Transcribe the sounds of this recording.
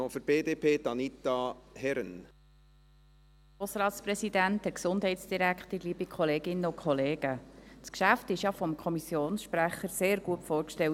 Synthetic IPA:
ofəɾb̥eːd̪eːpʰeːd̪ɑnit̪ɑhɛɾən | osɾɑːtspɾɛsidæntəksʊnd̥ɦɛɪtsd̥iɾækχtəɾliːbikʰχɔleːɡɪnːəʊkʰχɔleːɡ̥əskʃæftɪʃjɑfɔmkʰɔmisjoːnsʃpɾæχəɾseːɾɡuətfɔːɾrkʃtɛw

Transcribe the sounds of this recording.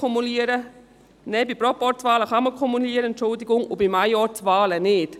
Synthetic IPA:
ɔmuliəɾə | nɛbipɾɔpɔɾtt͡sʋɑːləχɑməkʰɔmuliəɾəɛntt͡ʃʊldɪɡʊŋʊbimajɔɾt͡sʋɑːlənɪt

